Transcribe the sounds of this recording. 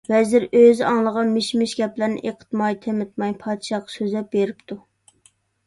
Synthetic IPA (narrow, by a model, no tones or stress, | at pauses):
vɛzɪɾøzɑŋlˠəʁɑmɪʃmɪʃɡʲɛplɪɾnɪ̰ʔeqʰə̥t̪mɑjt̪ʰemɪt̪̚mɑjpʰɑd̪ʃɑqːsøzlɛp̚beɾɪp̚t̪ʰu